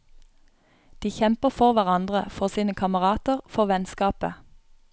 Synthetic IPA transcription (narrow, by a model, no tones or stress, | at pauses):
d̪̥iːçɛmpəfɔʁʋæʁɑnd̪ʁəfɔʁsiːnəkʰɑməʁɑːt̪əʁfɔʁʋɛnskɑːpə